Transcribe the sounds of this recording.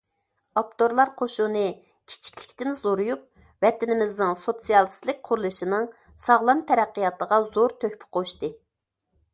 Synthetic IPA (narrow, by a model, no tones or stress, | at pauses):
ɑp̚t̪ʰoɾlˠɑɾqʰoʃunɨ | kʲʰi̥t͡ʃʰi̥kʲlɪ̥kʲt̪ɪnɪz̥oɾujup̚ | vɛt̪ɪnɪmɪznɪŋsot̪sijɑlˠslˠɨk̚ʲqʰʊɾulˠɨʃinɨŋ | sɑʁlˠɑmt̪ʰɛɾæqːijɑt̪əʁɑzoɾt̪ʰøhpʰɪ̥qʰoʃt̪ɨ